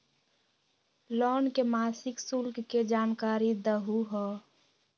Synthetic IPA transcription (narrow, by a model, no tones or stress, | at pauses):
lɔːnkemaːsɪksulkːed͡ʒaːnkaːɾid̪əɦuɦɔ